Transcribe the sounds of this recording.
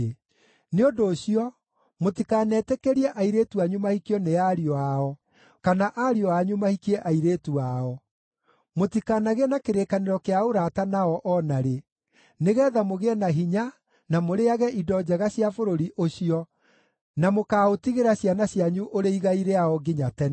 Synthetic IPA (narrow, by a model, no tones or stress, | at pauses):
neodoːɕijɔ | motikaːnɛtɛkeɾiɛʔaiɾeːtuaɲumahikiɔneaɾiɔaɔ | kanaʔaɾiɔaɲumahikiɛʔaiɾeːtuaɔ | motikanaɣenakeɾekaneɾɔkeaoɾatanaɔʔɔnaɾe | neɣɛːðamoɣeɛnaɦiɲa | namoɾeaɣɛʔidɔd͡ʑɛɣaɕjafoɾoɾiʔoɕiɔ | namokaːotiɣeɾaɕjanaɕjaɲuʔoɾeiɣaiɾeaɔɡeɲatɛn